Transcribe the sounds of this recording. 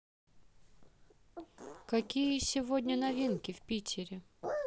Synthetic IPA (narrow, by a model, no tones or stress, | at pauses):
kɐkʲijəsʲɪvodʲnʲənɐvʲinkʲɪfpʲitʲʰɪɾʲɪ